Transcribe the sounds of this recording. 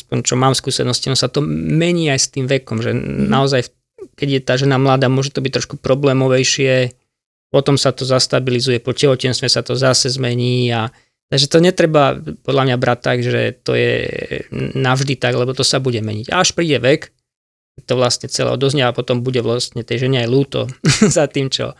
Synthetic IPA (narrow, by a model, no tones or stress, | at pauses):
aspɔɲt͡ʃɔmaːmfskuːsɛnɔscinɔɔsat̪ɔmɛɲiːajst̪iːmʋɛkɔmʒɛnaɔzajf | kɛɟjɛt̪aːʒɛnamlaːd̪aːmʊɔʒɛt̪ɔbict̪ɾɔʃkupɾɔblɛːmɔʋɛjʃɪɛ | pɔt̪ɔmsat̪ɔzast̪abilizujɛpɔcɛɦɔcɪɛnst̪ʋɛsat̪ɔzasɛzmɛɲiːa | t̪aɡʒɛt̪ɔɲɛt̪ɾɛbapɔd̪lamɲabɾact̪ːaɡʒɛ̰t̪ɔ̰jɛ̰ | navʒd̪it̪aɡlɛbɔt̪ɔsabuɟɛmɛɲiɟa̰aʃpɾiːɟɛʋɛk | kɛc̚t̪ɔʋlast̪ɲɛt͡sɛlɛ̰ɦɔ̰d̪ɔzɲɛapɔt̪ɔmbuɟɛʋlast̪ɲɛt̪ɛjʒɛɲɛajluːt̪ɔ̰zat̪iːmt͡ʃɔ̰